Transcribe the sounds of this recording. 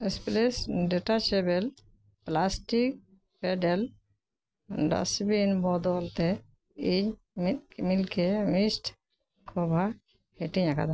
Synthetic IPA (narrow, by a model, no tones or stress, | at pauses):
ɛsplesɖɛʈat͡ʃebɛl | plasʈik̚ | peɖɛl | ɖa̰sbinbɔd̪ɔlt̪ɛ | iɲ | mit̪̚kmilkʰemisʈ | kʰɔbʱa | heʈiɲaka̰d̪a